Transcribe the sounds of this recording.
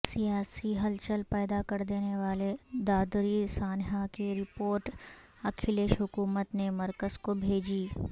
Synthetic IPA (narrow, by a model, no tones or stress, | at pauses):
sijaːsiɦɐlt͡ʃəlpɛːd̪akɐɾd̪eːneʋaːled̪aːd̪ɾisaːnɦakiɾɪpoːɾʈ | ɐkʰɪleːʃɦʊkuːmət̪nemɐɾkəzkobʱeːd͡ʒiː